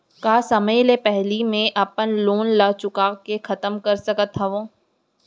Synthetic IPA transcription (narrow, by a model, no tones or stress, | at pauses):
kaːsɐməjlepɛɦlimẽʔɐpənloːnlaːt͡ʃʊkaːkexɐt̪əmkɐɾsɐkət̪ɦɐʋõː